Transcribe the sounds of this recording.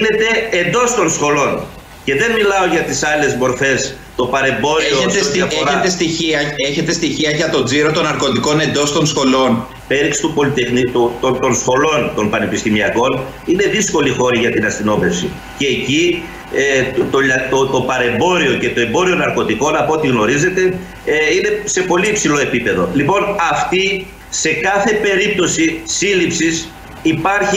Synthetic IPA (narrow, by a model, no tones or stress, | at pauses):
ne̞t̪e̞ːnd̪o̞st̪o̞nsxo̞lo̞n | ce̞ðe̞nmilɐo̞ʝɐt̪isɐle̞zmo̞ɾfe̞s | t̪o̞pɐɾe̞mbo̞ɾioeeseet̪est̪içiɐe̞çe̞t̪e̞st̪içiɐʝɐt̪o̞d͡ziɾo̞t̪o̞nɐɾko̞t̪iko̞ne̞nd̪o̞st̪o̞nsxo̞lo̞n | pe̞ɾiksi̥t̪upo̞lit̪exnit̪ut̪ot̪o̞nsxo̞lo̞nt̪o̞npɐne̞pist̪imiɐko̞n | ine̞ðisko̞lixo̞ɾiʝɐt̪inɐst̪ino̞me̞fsi | ce̞ːci | t̪oʎɐt̪ot̪o̞pɐɾe̞mbo̞ɾio̞cet̪o̞e̞mbo̞ɾio̞nɐɾko̞t̪iko̞nɐpoot̪iɣno̞ɾize̞t̪e̞ | ine̞se̞po̞liipsilo̞e̞pipe̞ðolipo̞nɐft̪i | se̞kɐθe̞pe̞ɾip̚t̪o̞sisilipsis | ipɐɾçi